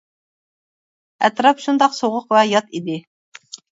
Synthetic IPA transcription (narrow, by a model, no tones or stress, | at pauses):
ɛt̪ɾɑpʃund̪ɑqsoʁʊqvɛjɑt̪id̪ɪ